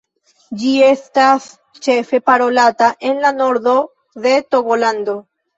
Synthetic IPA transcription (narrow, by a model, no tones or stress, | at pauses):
d͡ʒie̞stas | t͡ʃe̞fe̞paɾo̞lataʔe̞nlano̞ɾdo̞ | ðe̞to̞ɡolando̞